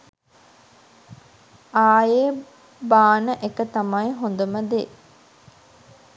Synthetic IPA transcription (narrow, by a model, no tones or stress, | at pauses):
aːjeː | baːnəʔekət̪amajɦond̪uməd̪e